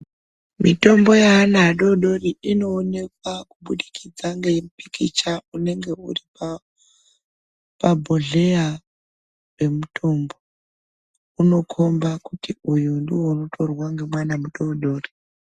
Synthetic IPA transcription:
mito̞mbo̞jaːnaːɗo̞ɗo̞riino̞ːne̞kwakuɓuɗikʰid͡zaŋɡe̞mpikit͡ʃaune̞ŋɡe̞ṵripa | pabʱoɮe̞ja | we̞mutʰo̞mbo̞ | uno̞kʰo̞mbakutiujundiwouno̞tʰo̞rwaŋɡe̞mwanamuɗo̞ɗo̞ːri

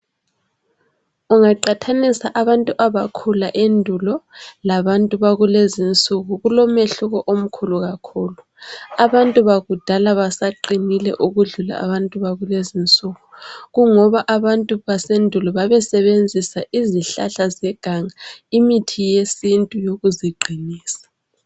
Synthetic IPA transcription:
uŋaǃatʰanisaʔaβantʼuʔaβakʰulaʔendʱulɔlaβantʼuβaɣulezint͡sʼuɣuɣulɔmeɬuɣɔʔom̩kʰuluɣakʰuːlu | aβantʼuβaɣud̥ʱalaβasaǃinilɛ̰ʔuɣuɮula̰a̰βantʼuβaɣulezint͡sʼuɣuɣuŋɔβaʔaβantʼuβasendʱulɔβaβɛsɛβend͡zʱisaʔiziɬa̰ɬazɛɡ̥ʱaŋaimitʰijesintʼujoɣuziɡ͡ǀʱiniːsḁ

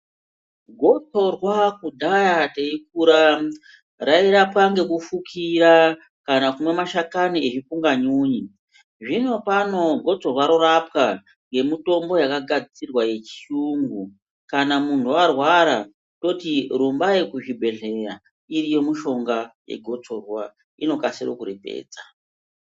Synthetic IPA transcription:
ɡʱo̞t͡so̞rwakudʱajate̞ik̚uɾa | raiɾapaŋɡe̞kufukʰiɾa | kanakumwe̞maʃakanieʐifuŋɡaɲuːɲi | ʐino̞pano̞ɡʱo̞t͡so̞rwaɾorapka | ŋɡe̞mito̞mbo̞jakaɡʱad͡zit͡sirwaje̞t͡ʃi̥uŋɡu | kanamun̤tʰuarwaɾa | to̞tiɾumbaje̞kuʐibʱe̞ɮe̞ɾa | iɾijo̞muʃo̞ŋɡaje̞̰ɡʱo̞t͡so̞rwa | ḭno̞kasiro̰kuɾepḛːd͡za

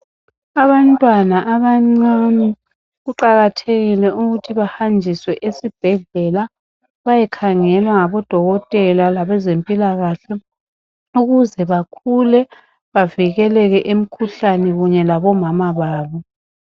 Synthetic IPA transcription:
aβantʼwanaʔaβaŋ͡ǀani | ɣuǃaɣatʰeɣilɛuɣutʰiβahand͡ʒʱiswɛʔesib̥ʱɛɮɛla | βajɛkʰaŋɛlwaŋaβɔd̥ʱɔɣɔtʼɛlalaβɛzempʼilaɣaɬɛ | uɣuzɛβakʰulɛ | βaviɣɛlɛɣɛʔem̩kʰuɬanɛɣuɲɛlaβɔmamaβaːβɔ

